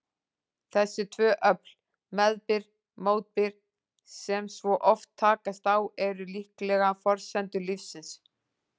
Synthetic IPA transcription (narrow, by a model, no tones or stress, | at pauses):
θɛsːɪt̪ʰvœːʔœpl | mɛðpɪɾ | moːwt̪̚pɪɾ̥ | sɛmsvɔʔɔft̪ʰːaːkast̪awɛɾʏlihklɛɣafɔɾ̥sɛnt̪ʏlifsɪns